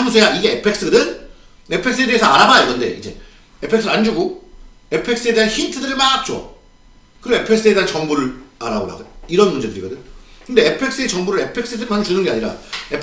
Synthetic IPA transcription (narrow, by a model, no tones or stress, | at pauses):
amusʰejaiɡe̞epʰe̞k̚s͈ɯɡɯdɯn | e̞pʰeks͈ɯedeesʰʌaɾabaoɡɯnde̞id͡ʑe̞̰ | epʰeksɯɾɯɾand͡ʑuɡo | e̞pʰe̞k̚s͈ɯe̞de̞ɦançintʰɯdɯɾɯɭmaak̚t͡ɕ͈o̰ | kɯɾioepʰek̚s͈ɯede̞ɦant͡ɕʌŋbuɾɯɭa̰ɾabola̰ɡiɾʌnmund͡ʑe̞dɯɾiɡʌdɯkɯnde̞epʰe̞k̚s͈ɯet͡ɕʌŋbuɾɯɭe̞pʰe̞k̚s͈ɯdɯɾɯmant͡ɕunɯnɡeaɲiɾa̰ep